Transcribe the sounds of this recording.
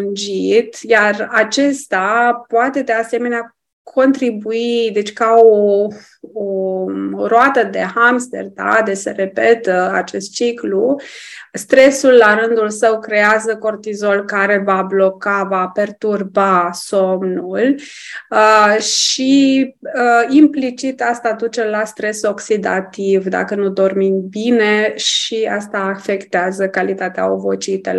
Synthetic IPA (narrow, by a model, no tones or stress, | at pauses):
und͡ʒit̪jarat͡ʃe̞st̪apoat̪e̞d̪ease̞me̞nea | kʰo̞nt̪ɾibuid̪e̞t͡ʃʲkao | o | ɾoat̪əd̪e̞hamst̪ḛrd̪a̰d̪eseɾe̞pe̞t̪əat͡ʃe̞st̪̚t͡ʃiklu | st̪ɾe̞sulːaɾɨnd̪ulsəwkɾe̞azəko̞rt̪izo̞lkaɾe̞vablo̞kavape̞rt̪urbaso̞mnul | ʃi | əimplit͡ʃit̪ast̪ad̪ut͡ʃe̞last̪ɾe̞so̞ksid̪a̰t̪ivd̪a̰kənud̪o̞rminbine̞ʃiast̪aːfe̞kt̪eazəkalit̪at̪ea̰o̰vo̞t͡ʃit̪ə̰l